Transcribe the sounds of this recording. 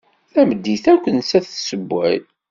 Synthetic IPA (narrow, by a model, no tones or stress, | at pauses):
θæməd̪ːiθækʷːənsæθsəbːæ̰ð